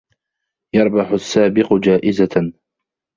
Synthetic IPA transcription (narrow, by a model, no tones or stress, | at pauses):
jɑɾˤbɑħʊsːaːbɪqʊd͡ʒaːʔɪza